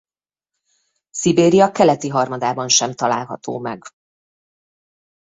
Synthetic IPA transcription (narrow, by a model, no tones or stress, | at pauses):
sibeːɾijɒkɛlɛt̪iɦɒrmɒd̪aːbɒnʃɛmt̪ɒlaːlɦɒ̰t̪o̰ːmɛ̰ɡ